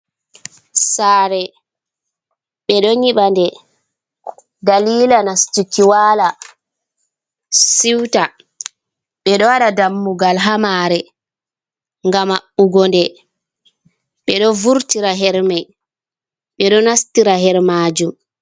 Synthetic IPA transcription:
saːɾɛ | ɓɛɗɔɲiɓandɛ | daliːlanastukiwaːla | siwta | ɓɛɗɔwaɗadamːuɡalɦamaːɾɛ | ŋɡamaɓuɡɔndɛ | ɓɛɗɔvuɾtiɾaɦɛɾmaj | ɓɛɗɔnastiɾaɦɛɾmaːd͡ʒum

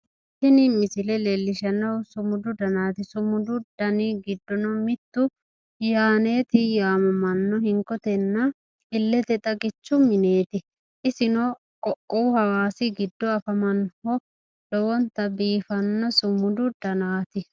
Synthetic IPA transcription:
t̪ːɪnɪmɪsɪlɛlɛlːɪʃɐnɐwsʊmʊd̪ʊd̪ɐnaːt̪ɪsʊmʊd̪ʊd̪̥ɐnɪɡɪd̪ːɔnɔmɪt̪ːʊ | jaːne̞ːt̪ɪjaːmɐmɐnːɔhɪŋkːɔt̪ɛnːɐ | ɪlːɛt̪ɛt̪ʼɐɡɪt͡ʃːʊmɪne̞ːt̪ɪ | ʔɪsɪnɔ | kɔʔɔwʊhɐwaːsɪɡɪd̪ːɔɐfɐmɐnhɔ | lɔwɔnt̪ɐbiːfɐnːɐsʊmʊd̪ʊd̪ɐnaːt̪ɪ

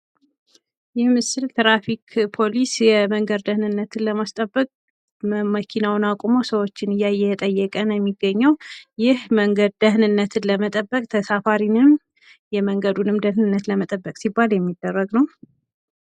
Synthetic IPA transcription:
jɛmɨsɨlt̪ʰɾafikʰpʰo̞lisjɛməŋɡəd̪d̪əhnɨnːət̪ʰɨnləmast̪ʼəbːəkʼ | məkʰinawnakʷʼomosəwo̞t͡ʃːɪnɨjːajɛt̪ʼəjːɛkʼənjɛmːiɡːəɲːəwjɪhməŋɡəd̪d̪əhnɨnːət̪ʰɨnləmət̪ʼəbːəkʼt̪ʰəsafaɾinɨm | jɛməŋɡəd̪unɨmd̪əhnɨnːət̪ləmət̪ʼəbːəkʼsibːaljɛmːid̪ːərːəɡnəw

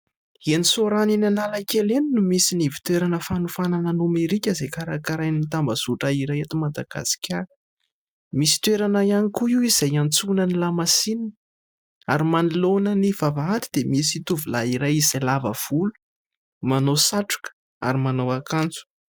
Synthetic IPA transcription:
enisoɾaninanalakeleninumisinivi̥t̪weɾanəfanufanananumeɾikʲəzejkaɾakaɾajnit̪ambəz̥uʈ͡ʂaiɾajet̪imad̪aɡ̥a̰si̥kʲaɾ | misi̥t̪weɾanajanikuiiz̥ajant͡sunənilamasinin | aɾimanilonənivavaat̪i̥d̪emisit̪uvulaiɾajiz̥alavə̰v̥ulu̥ | manosaʈ͡ʂu̥kə̥ | a̰ɾimanawakant͡su̥

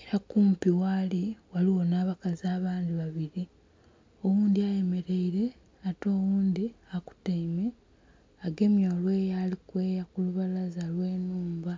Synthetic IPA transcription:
eɾakuːmpiwaːliwaliwo̞naːβakazaːβaːnd̪iβaβiɾi | o̞wuːnd̪iaje̞me̞ɾe̞iɾe̞ | ato̞ːwuːnd̪iaku̥taime̞ | aɡe̞mjolwe̞ːjaːlikwe̞ːjakuluβalazalwe̞ːnuːmba

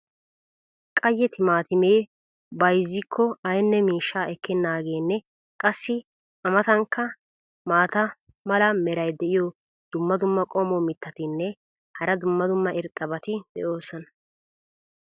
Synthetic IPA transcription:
kʼɐjːɛt̪ɪmaːt̪ɪmeː | bɐjzːɪkʰːɔɐjnːɛmiːʃːaːʔɛkːɪnːaːɡe̞ːnːɛ | kʼɐsːɪ | ɐmɐt̪ɐŋkːɐ | maːt̪ɐ | mɐlɐmɛɾɐjd̪ɛʔɪjɔ | d̪̥ʊmːɐd̪ʊmːɐkʼɔmɔmɪt̪ːɐt̪ɪnːɛ | hɐɾɐd̪ʊmːɐd̪ʊmːɐʔɪɾt̪ʼːɐbɐt̪ɪd̪̥ɛ̰ʔo̞ːsɔnɐ̥

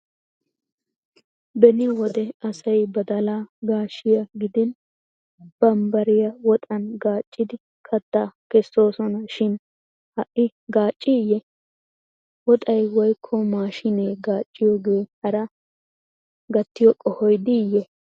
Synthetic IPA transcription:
bɛnɪwɔd̪ɛɐsɐjbɐd̪ɐlaːɡaːʃɪjɐɡɪd̪ɪn | b̥ɐmbɐɾɪjɐwɔt̪ʼɐnɡaːt͡ʃʼːɪd̪ɪ | kʰɐt̪ːakɛsːo̞ːsɔnɐʃɪn | hɐʔɪ | ɡaːt͡ʃʼːɪjɛ | wɔt̪ʼɐjwɔjkʰːɔmaːʃɪneːɡaːt͡ʃʼːɪjoːɡe̞ːhɐɾɐ | ɡɐt̪ːɪjɔkʼːɔhɔjd̪ɪjɛ

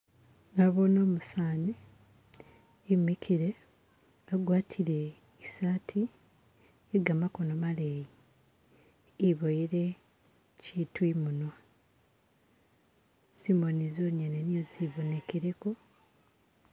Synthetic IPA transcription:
ŋaβono̞ːmusaːni | mikʰiɾe̞ | aɡwaːtʰiɾe̞ | isaːtʰi | eɡamako̞nomaleji | βojiɾe̞ | citwimuna | simonizoːɲenenijoziβo̞ne̞keɾeko̞

